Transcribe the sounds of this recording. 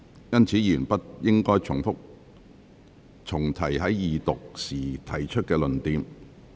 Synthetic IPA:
jɐ˥nt͡sʰiː˨˥jiː˨˩npɐ˥t̚jɪ˥ŋkɔː˥jt͡sʰʊ˨˩ŋfʊ˥k̚ | t͡sʰʊ˨˩ŋt̪ʰɐ˨˩jɦɐ˨˥jːiː˨t̪ʊ˨k̚siː˨˩t̪ʰɐ˨˩jt͡ʃʰɵ˥t̚kɛː˧lɵ˨˩nt̪iː˨˧m

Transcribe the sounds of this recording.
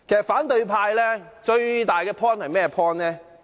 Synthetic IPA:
kʰe˨˩sɐ˨t̚faː˨˥nt̪ɵ˧ɥpʰaː˧jlɛː˥t͡ʃɵ˧ɥt̪aː˨jkɛː˧pʰɔː˥nhɐ˨jmɛː˥ɛ˧pʰɔː˥nlɛː˦˥

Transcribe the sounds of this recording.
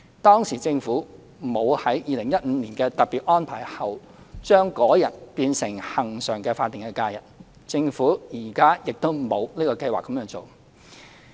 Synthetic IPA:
t̪ɔː˥ŋsiː˨˩t͡sɪ˧ŋfuː˨˥ | mo˨˧whɐ˨˥jjiː˨˧lɪ˨˩ŋjɐ˥t̚m̩˨˧˥niː˨˩nkɛː˧t̪ɐ˨t̚piː˨t̚ʔɔː˥npʰaː˨˩jhɐ˨w | t͡ʃœː˥ŋkɔː˨˥jɐ˨˩t̚piː˧nsɪ˨˩ŋhɐ˨˩ŋsœː˨˩ŋkɛː˧faː˧t̪ːi˨˩ŋkɛː˧˥kaː˧jɐ˨t̚ | t͡sɪ˧ŋfuː˨˥jiː˨˩kaː˥jɪ˨k̚t̪o˥wmo˨˧wniː˥kɔː˧kɐ˧jwaː˨˩kːɐ˨˧˥mjœː˧˥ŋt͡so˨w

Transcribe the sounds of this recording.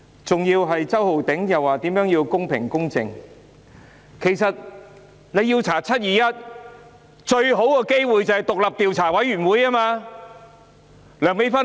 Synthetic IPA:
t͡sʊ˨ŋjiː˧wɦɐ˨jt͡sɐ˥who˨wt̪ɪ˨˥ŋjɐ˨wːaː˨t̪iː˨˥mjœː˨˥ŋjiː˧wkʊ˥ŋpʰɪ̰˨˩ŋkʊ˥ŋt͡sɪ̰˨ŋ | kʰe˨˩jsɐ˨t̚ | ne˨˧ji˧wt͡sʰaː˨˩t͡sʰɐ˥t̚jiː˨˧jɐ˥t̚ | t͡ʃɵ˧ɥɦo˨˥wkɔː˧ke˥jwuː˨˧jt͡sɐ˨whɐ˨jt̪ʊ˨k̚lɐ˨p̚t̪iː˨wt͡sʰaː˨˩wɐ˨˥jyː˨˩nwuː˨˥jaː˥maː˧ | lœː˨˩ŋme˨˥jfɐ˥

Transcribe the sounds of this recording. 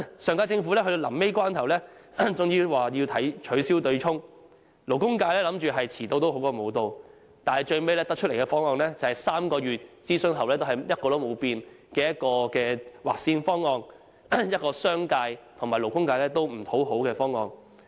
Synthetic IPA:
sœː˨ŋkaː˧t͡sɪ˧ŋfuː˨˥lɛ˥ɦɵ˧d̪o˧lɐ˨˩mme˥jkʷwaː˥nt̪ʰɐ˨˩wlɛː˥ | t͡sʊ˨ŋjiː˧waː˨˩ji˧wt̪ʰɐ˨˥jt͡ʃʰɵ˨˥ɥsiː˥wt̪ɵ˧ɥt͡ʃʰʊ˥ŋ | lo˨˩wkʊ˥ŋkaː˧jlɛː˥lɐ˨˥mt͡ʃyː˨ɦɐ˨jt͡sʰiː˨˩t̪o˧wt̪o˨˥wɦo˨˥wkɔː˧mo˨˧wt̪o˨˧w | t̪aː˨nhɐ˨˩jt͡ʃɵ˧ɥme˥jlɛː˥t̪ɐ˥k̚t͡ʃʰɵ˥t̚le˨˩kɛ˧fɔː˥ŋɔː˧ŋlɛː˥t͡sɐ˨whɐ˨jsaː˥mkɔː˧ɥyː˨t̚t͡siː˥sɵ˥nɦɐ˨wlɛː˥t̪o˥whɐ˨˩jjɐ˥t̚kɔː˧lo˨˥wmo˨˧wpiː˧n | kɛː˧jɐ˥t̚kɔː˧kɛː˧waː˨k̚siː˧nfɔː˥ŋːɔː˧ŋ | jɐ˥t̚kɔː˧sœː˥ŋkaː˧jt̪ʰʊ˨˩ŋmaː˨jlo˨˩wkʊ˥ŋkaː˧lɛː˥t̪o˥wm̩˨˩hʰo˨˥who˨˥wkɛː˧fɔː˥ŋːɔː˧ŋ

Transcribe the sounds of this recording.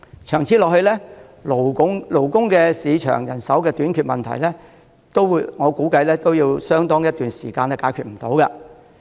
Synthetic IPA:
t͡ʃʰœː˨˩ŋt͡sʰi˨˥lɔː˨k̚hɵ˧lɛː˥ | lo˨˥ŋlo˨˩wkʊ˥ŋkɛː˧siː˨˧t͡ʃʰœ̰ː˨˩ŋjɐ˨˩nsɐ˨˥wkɛː˧t̪yː˨˥nkʰyː˨˧t̚mɐ˨nt̪ʰɐ̰˨˩jlɛː˥ | t̪o˥wŋɔː˨˧kuː˨˥kɐ˧jlɛː˥t̪o˥wjiː˧wsœː˥ŋt̪ɔː˥ŋjɐ˥t̪̚yː˨nsiː˨˩kaː˧nɛː˥kaː˨˥jkʰyː˨˧t̚m̩˨˩t̪o˨˥wkɐ̰˧

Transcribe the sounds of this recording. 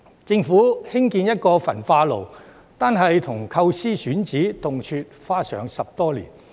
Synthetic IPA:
t͡sɪ˧ŋfuː˨˥hɪ˥ŋkiː˧njɐ˥t̚kɔː˧fɐ̰˨˩nfaː˧lo˨˩w | t̪aː˨˧nɦɐ˨jt̪ʰʊ˨˩ŋkʰɐ˧wsiː˥syː˨˥nt͡siː˨˥t̪ʊ˨ŋt͡ʃʰyː˧t̚faː˥sœ̰ː˨˧ŋsɐ˨p̚t̪ɔː˥lḭː˨˩n

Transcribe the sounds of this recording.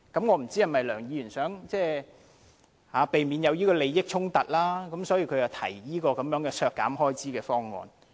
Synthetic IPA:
kɐ˨˥mŋɔː˨˧m̩˨˩t͡siː˥hɐ˨˩mːɐ˨jlœː˨˩ŋjiː˨˧jy˨˩nsœː˨˥ŋt͡sɛː˥˩ | haː˨˧˦pe˨jmiː˨˧njɐ˨˧wjiː˥kɔː˧le˨˧jːɪ˥k̚t͡sʰʊ˥ŋt̪ɐ˨t̚laː˥kɐ˨˦msɔː˨˥jiː˧kʰɵ˨˧ɥt͡sɐ˨˩t̪ʰɐ̰˨˩jjiː˥kɔː˧kɐ˨˥mjœː˨˥ŋkɛː˧sœː˧kːa̰ː˨˥mɦɔː˥jt͡siː˨˥kɛː˧fɔː˥ŋŋɔ̰ː˨˧n

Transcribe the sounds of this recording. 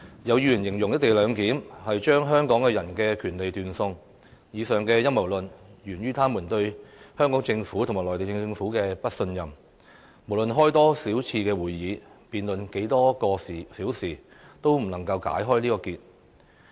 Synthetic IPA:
jɐ˨˧wjy˧˨˩njɪ˨˩ŋjʊ˨˩ŋjɐ˥t̚t̪e˨jlœː˨˧ŋkiː˨˥mhɐ˨jt͡ʃœː˥ŋɦœː˥ŋkɔː˨˥ŋkɛ˧jɐ˨˩nkɛ˧kʰyː˨˩nle˨jt̪yː˨nsʊ˧ŋ | jiː˨˧sœː˨ŋkɛː˧jɐ˥mɐ˨˩wlɵ˨˩njyː˨˩nɥyː˥t̪ʰaː˥muː˨˩nt̪ɵ˧ɥhœː˥ŋkɔː˨˥ŋt͡sɪ˧ŋfuː˨˥t̪ʰma˨˩lɔː˨˩t̪e˨jt͡sɪ˧ŋfuː˨˥kɛː˧pɐ˥t̚sɵ˧njɐ˨˩m | mo˨˩wlɵ˨nɦɔː˥jt̪ɔː˥siː˨˥wt͡sʰiː˧kɛː˧wuː˨˩jjiː˨˧˦piː˨nlɵ˨nke˨˥jt̪ɔː˥kɔː˧si˨siː˨˥wsiː˨˩ | t̪o˥wm̩˨˩nɐ˨˩ŋkɐ˧wka̰ː˨˥jɦɔː˥jliː˥kɔː˧kiː˧t̚

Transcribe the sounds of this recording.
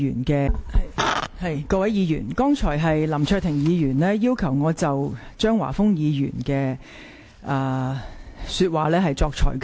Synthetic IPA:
yː˨˩nkɛː˧˨ | hɐ˨jkɔː˧wɐ˨˥jiː˨˧jy̰ː˨˩nkɔː˥ŋt͡ʃʰɔː˨˩jɦɐ˨jlɐ˨˩mt͡ʃʰœː˧t̪ʰɪ˨˩ŋjiː˨˧jyː˨˩nlɛː˥jiː˥wkʰɐ˨˩wŋɔː˨˧t͡sɐ˨wt͡ʃœː˥ŋwa̰ː˨˩fʊ˥ŋjiː˨˧jy̰ː˨˩nkɛː˧ | ʔaː˨ | syː˧t̚waː˨˩lɛː˥hɐ˨jt͡sɔː˧k̚t͡ʃʰɔ̰ː˨˩jk

